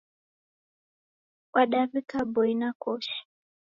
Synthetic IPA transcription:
waɗavikabɔinakɔʃi̥

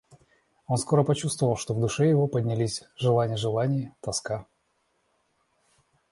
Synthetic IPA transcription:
o̞nsko̞ɾəpɐt͡ɕust̪vəvəlˠʂt̪o̞vd̪ʊʂɛjɪvo̞pədʲnʲɪlʲisʲʐɨlˠanʲɪjəʐɨlˠanʲɪjət̪ɐska

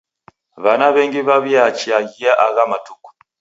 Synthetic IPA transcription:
βanaβeŋɡiβaβjat͡ʃiaɣijaʔaɣamatuku̥

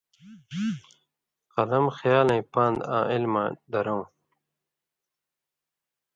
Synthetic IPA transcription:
qʌlɐmxjaːlɐ̃ĩpãːnd̪ã̰ːʔilma̰ːd̪ɐɾoũ

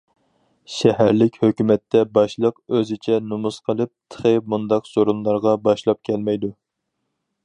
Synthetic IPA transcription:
ʃɛɦæɾlɪkʲhøkʲymɛt̪ʰːɛbɑʃlˠəqøzɪt͡ʃʰɛnumusqʰəlˠɨp̚t̪ʰə̥χemund̪ɑqz̥oɾunlˠɑɾʁɑbɑʃlˠɑp̚kʲʰɛlmɛjd̪u

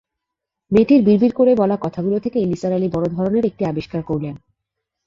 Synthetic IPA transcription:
met̪iɾbiɾbʱiɾkoɾebɔlakɔt̪ʰaɡulot̪ʰekeenisaɾalibɔɾod̪ʱɔɾoneɾek̚ʈiabiʃkaɾkoɾlen

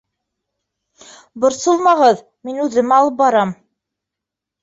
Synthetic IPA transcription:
bŏɾsɤlˠmɑʁɤð | minʉðɘmɑlˠɤp̚bɑɾɑm

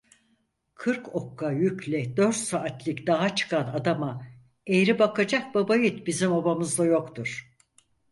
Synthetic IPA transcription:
kʰɯɾko̞kːajycʰlʲɛd̪øɾt̪saʔːt̪ʰlʲˠɯcd̪aɦat͡ʃʰɯ̥kʰanad̪ama | ejɾibakʰad͡ʒak̚babajɯt̪bizimabamɯzd̪ˠajo̞kt̪ʰuɾ̥

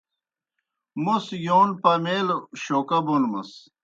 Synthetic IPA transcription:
musjoːnpɐmeːloɕoːkɐbonmɐs

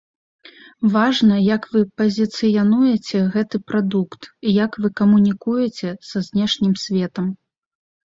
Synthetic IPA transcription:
vaʐnɐjɐkvɨpɐzʲit̪sɨjɐnujɛt͡sʲɛɣɛt̪ɨpɾad̪ukt̪ijɐkvɨkɐmunʲikujɛt͡sʲɛsɐzʲnʲɛʂnʲimsʲvʲɛt̪ɐm

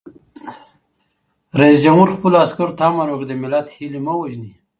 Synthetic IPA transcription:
ɾaisd͡ʒamhuɾxpulaskuɾt̪amaɾokd̪emɪlat̪hilimawaʒni

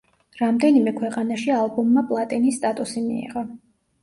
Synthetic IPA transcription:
ɾamd̪ɛnimɛkʰwɛqʼanaʃialˠbɔmːapʼlˠat̪ʼinisːt̪ʼat̪ʼusimḭɛ̰ʁa

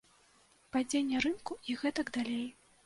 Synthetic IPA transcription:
pad͡zʲenʲːɛɾɨnkuiɣɛt̪ɐɡd̪alʲej

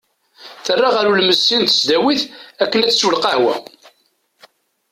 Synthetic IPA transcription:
θərːaʁæɾulməsːint̪ə̥sd̪æwiθækːənæt͡sːswəlqahwæ̰

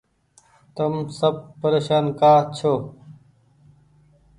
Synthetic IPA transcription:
t̪ɐmsɐb̚pɐɾeːɕaːnkaːt͡ɕʰo

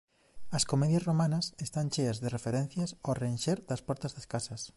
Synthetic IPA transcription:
ɐskomɛðjɐsromanɐsest̪anʲt͡ʃeɐzðerefeɾɛn̟θjɐsorenʃeɾd̪ɐspɔɾt̪ɐzðɐskasɐs

